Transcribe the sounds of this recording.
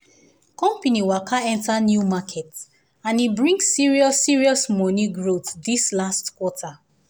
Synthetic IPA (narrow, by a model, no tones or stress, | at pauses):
kɔ̃mpaniwakʰaɛ̃ntanjumakʰɛt | ãnibɹĩŋɡːiɹiɔsiɹiɔsmɔniɡɹotdislastkwɔtʰa